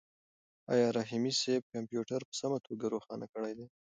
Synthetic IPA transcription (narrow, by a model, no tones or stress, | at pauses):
ɑ̰jɑɾaɦimiseb̚kampjuʈaɾpə̥samat̪ʰoɡaɾoxɑnakəɽajd̪ej